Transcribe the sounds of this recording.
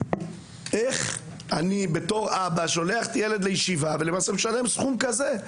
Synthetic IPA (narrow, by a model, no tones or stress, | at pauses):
eχ | anibe̞to̞ʁabaʃo̞le̞aχtjele̞d̪lejeʃivavelemaːsemeʃale̞msχumkaze̞